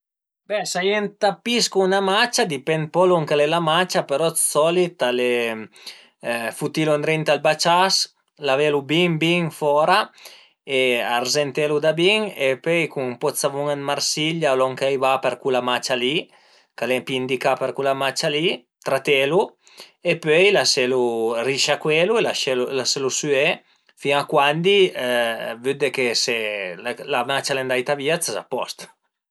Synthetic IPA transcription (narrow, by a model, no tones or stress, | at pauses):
bɛsajɛnt̪apiskuːnamat͡ʃad̪ipɛnpɔlɔŋkalelamat͡ʃapeɾɔsɔlit̪ale | fut̪iluand̪ɾent̪albat͡ʃas | lavelubiŋbiŋfɔɾa | ea̰rzent̪elud̪abiŋepøjkuŋpɔt͡savuŋanmaɾsiʎalɔŋkejvapeɾkulamat͡ʃali | kalepiind̪ikapeɾkulamat͡ʃali | t̪ɾat̪elu | epøjlaseluriʃakweluelaʃelulaselusye | fiŋakwand̪i | vyd̪ekeselamat͡ʃalend̪ajt̪aviːat͡saza̰pːɔ̰st̪